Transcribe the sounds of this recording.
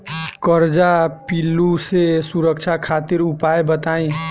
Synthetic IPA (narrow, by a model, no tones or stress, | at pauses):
kəɾd͡ʒapilːusesuɾəkt͡ʃʰakʰaːt̪iɾupaebət̪aːĩ